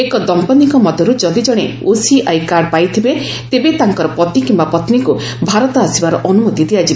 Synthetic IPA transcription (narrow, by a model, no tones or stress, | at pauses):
ekɔd̪ɔmpɔnikɔmɔd̪ʱjɔɾud͡ʒɔd̪id͡ʒɔɽ̃e | osiajkaɾɖpajt̪ʰibe | t̪ebet̪aŋkɔɾɔpɔt̪ikimbapɔt̪niku | bʱaɾɔt̪ɔasibaɾɔʔɔnumot̪id̪iat͡ʃʰib